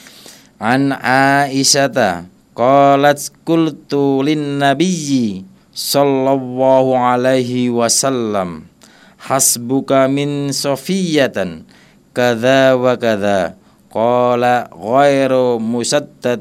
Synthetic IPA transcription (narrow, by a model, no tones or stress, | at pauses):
ʕanʕaːʔɪʃat̪a | qɑːlat̪kʊlt̪ulɪnːabijːi | sɑlːɑlːɑːhuʕalajɦiwasalːam | ħasbʊkamɪnsɑfɪjːat̪ | kaðaːwakaðaː | qɑːlaɣajɾmusad̪ːat̪̚